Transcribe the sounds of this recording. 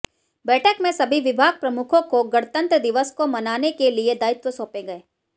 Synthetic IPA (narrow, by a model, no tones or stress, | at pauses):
bɛːʈʰəkmẽsɐbʱiʋɪbʱaːɡ̚pɾɐmʊkʰõkoɡɐɽt̪ə̃nt̪ɾəd̪ɪʋəskomɐnaːnekelied̪aːɪt̪ʋəsõːpẽɡɐeː